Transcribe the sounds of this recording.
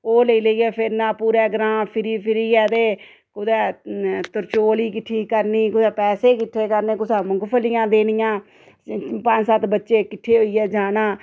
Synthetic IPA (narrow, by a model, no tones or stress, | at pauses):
oːləiːləiːɛːpʰɪɾnãːpuːɾɛːɡɾãːpʰɪɾiːpʰɪɾiːɛːd̪eː | kʊd̪ɛːt̪ʊɾt͡ʃoːliːkɪʈʰːiːkəɾniːkʊsɛːpɛːseːkɪʈʰːeːkəɾneːkʊsɛːmʊŋɡpʰəlɪjãːd̪eːnɪjãː | pəɲd͡ʒsət̪bətːʃeːkɪʈʰːeːɦoiːɛːd͡ʒaːnaː